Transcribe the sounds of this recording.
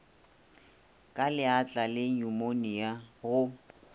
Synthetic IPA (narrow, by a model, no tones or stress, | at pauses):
kʼalɪat͡ɬʼalɪɲumonijaɣʊ